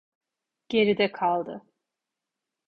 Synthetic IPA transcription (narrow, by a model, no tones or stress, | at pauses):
ɟ̥e̞ɾid̪ɛkʰalˠd̪ɯ